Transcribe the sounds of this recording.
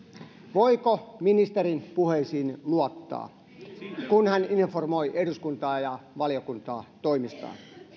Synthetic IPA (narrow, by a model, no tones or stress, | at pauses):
ʋoikominist̪eɾinpuheisiːnluot̪ːɑ̰ː | kunhæninformojʔeduskunt̪ɑːjɑʋɑlijokunt̪ɑːt̪oimist̪ɑ̰ːn